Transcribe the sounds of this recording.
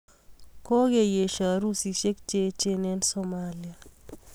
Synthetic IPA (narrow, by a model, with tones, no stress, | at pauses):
ko˦ɡe˨je˨ʃa˨ɾu˦si˨ʃe˦kt͡ʃe˦t͡ʃe˦nɛ˦nsɔmali˨a˨